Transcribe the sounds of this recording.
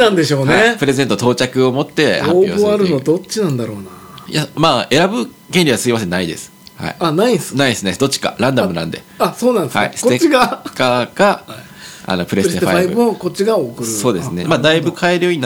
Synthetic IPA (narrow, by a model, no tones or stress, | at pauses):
nãnd̪e̞ɕo̞ːnepɯ̟ɾe̞ze̞nt̪ot̪o̞ːt͡ɕakɯ̟o̞mo̞t̪ːe̞aoooaɾɯ̟nod̪o̞t͡ɕinãnd̪aɾo̞ːna | jamaːe̞ɾabɯ̟ | ɡẽ̞nʲɾʲiβasɨimasẽ̞nːaid̪e̞sɨ̥ha̰ḭanaisnaisɨned̪o̞t͡ɕi̥ka̰ɾãnd̪amɯ̟nã̰nd̪e̞asoːnãnd̪esha̰ḭsɨ̥ot̪et͡ɕiɡakaka | a̰no̞pɯ̟ɾeea̰aibɯɯokot͡ɕiɡaokɯso̞ːd̪e̞sɨne̞maːd̪aibɯ̟kʰaeɾɯ̟joĩn